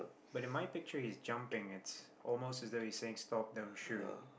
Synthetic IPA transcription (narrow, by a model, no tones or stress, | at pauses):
b̥ʌɾɨ̃nmaɪpɪk̚t͡ʃə˞hizd͡ʒʌ̃mpɪ̃ŋɪts | ʔɔlˠmoʊstɨzðoʊhiz̥seɪɪ̃ŋstɔp̚ðə̃mʃu